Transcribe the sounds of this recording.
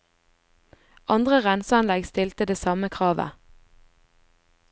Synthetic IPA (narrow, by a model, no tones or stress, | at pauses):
ʔɑnd̪ʁəʁɛnsɑnlɛɡst̪ɪlt̪əd̪eːsɑməkʰʁɑːʋə̰